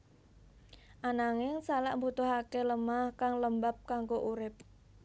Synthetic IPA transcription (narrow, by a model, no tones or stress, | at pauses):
ʔanaŋɪŋsalaʔmbut̪ʊɦakeləmahkaŋləmbap̚kaŋɡoʔuɾɪp̚